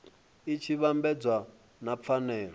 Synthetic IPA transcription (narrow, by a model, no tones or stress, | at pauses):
it͡ʃʰiβambɛd͡zwa | nap̪fʰanɛːlɔ